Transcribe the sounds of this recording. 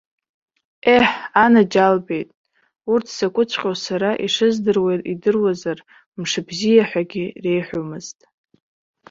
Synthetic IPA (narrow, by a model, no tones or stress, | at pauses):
eħanad͡ʒalbe̞jtʼ | urtʰsakʷʼʊt͡sʷʰʼqʲʼosaɾaʔiʂɨzdɨrwejtʼidɨrwazar | mʂɨbzijaħʷᶣaɡʲire̞jħʷᶣomɨztʼ